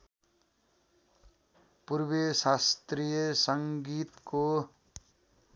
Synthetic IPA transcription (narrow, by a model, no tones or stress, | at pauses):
purbesast̪rijʌsʌŋɡit̪ko